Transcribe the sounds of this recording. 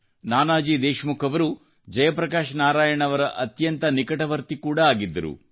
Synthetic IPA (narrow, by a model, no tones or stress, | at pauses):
naːnaːd͡ʒid̪eːʃmukʰɐʋɐɾu | d͡ʒɐjɐpɾɐkaːʃnaːɾaːjɐɳɐʋɐɾɐʔɐt̪jɐnt̪ɐnikɐʈɐʋɐɾt̪ikuːɽɐaːɡid̪ːɐɾṵ